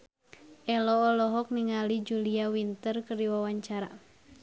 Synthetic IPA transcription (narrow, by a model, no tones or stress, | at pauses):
ʔɛlɔːlɔɦɔk̚niŋalid͡ʒuliawint̪ərkərdiwawaɲt͡ʃaɾa